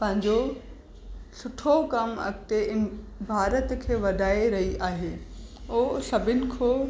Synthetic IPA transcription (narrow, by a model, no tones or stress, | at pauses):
pɐ̃ɦɪ̃ɲd͡ʑo | sʊʈʰokɐmɐ̰kt̪eɪnɪ̆bʱaːɾət̪kʰeːʋɐd̪ʱaːeɾɐɦiʔaːɦeːosɐbʱɪnɪ̆kʰoː